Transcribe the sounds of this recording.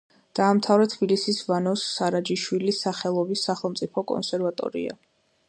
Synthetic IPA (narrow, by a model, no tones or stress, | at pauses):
d̪̥aːmt̪ʰavɾɛt̪ʰbilisisvanɔsːaɾad͡ʒiʃwilisaχɛlˠɔbisːaχɛlˠmt̪sʼipʰɔkʼɔ̰nsɛɾvat̪ʼɔ̰ɾḭa̰